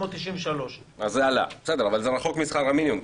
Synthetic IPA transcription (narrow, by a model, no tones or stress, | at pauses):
od̪t̪iʃiɱveʃaloʃazeala̰b̥sed̪eʁavalzeʁaχo̞kmisχaʁhaminjum